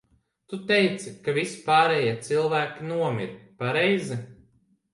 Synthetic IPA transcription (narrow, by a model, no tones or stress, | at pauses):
t̪ut̪ejt̪sikavispaːɾɛjiɛt̪silˠvæːkʲinuɔmʲiɾpaɾɛjzi